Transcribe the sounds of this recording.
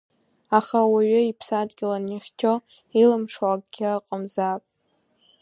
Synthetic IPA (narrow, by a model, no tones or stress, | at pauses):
aχawaɥʏipʰsadɡʲɪlaniχʲt͡ʃʰo | ilɨmʂwakʼɡʲɪqʼəmzapʼ